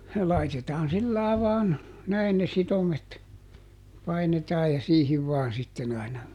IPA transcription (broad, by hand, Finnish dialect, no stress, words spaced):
lɑitetɑːn silːɑˑi̯ ʋɑːn næin ne sitomet pɑinetɑːj jɑ siːhiʋ ʋɑːn sitːen ɑinɑ